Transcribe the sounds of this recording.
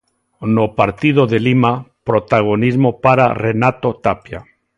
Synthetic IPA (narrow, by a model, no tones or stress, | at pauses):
nopaɾt̪iðoðelimapɾot̪aɣ̞onizmopaɾa̰renat̪ot̪apja